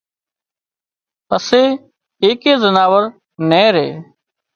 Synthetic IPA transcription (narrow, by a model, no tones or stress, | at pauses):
əseː | eːkeːzənaːʋəɾ | nẽːɾḛː